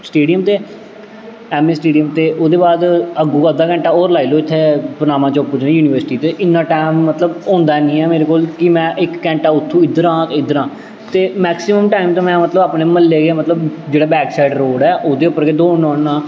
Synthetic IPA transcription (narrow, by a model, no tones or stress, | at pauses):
sʈeːɖijəmt̪eː | ɛːmeːsʈeːɖijəmt̪eːʔoːd̪eːbaːd̪əɡũːəd̪aːkɛ̃ːɳʈaːoːɾlaːiːloːɪt̪ʰːeːpənãːmãːt͡ʃoʊpːəɾd͡ʒnẽːjuːniːʋəɾsɪʈiːt̪eːʔɪnːãːʈɛːmːət̪ləbõːnd̪aːnĩːɛːmeːɾeːkoːlkɪmɛ̃ːʔɪkːɛ̃ːɳʈaːʊt̪ʰːũːɪd̪əɾãːt̪ːɪd̪əɾãː | t̪eːmɛːksɪməmʈaːimt̪õːmɛ̃ːmət̪ləbaːpneːməlːeːɡeːmət̪ləbd͡ʒeːɽaːbɛːksaːɪɖɾoːɽɛːʔoːd̪eːʊpːəɾɡeːd̪oːɳɔːɳːãː